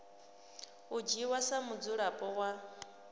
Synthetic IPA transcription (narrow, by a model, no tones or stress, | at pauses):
ud͡ʒiwasamud͡zuɺapʼɔɣwa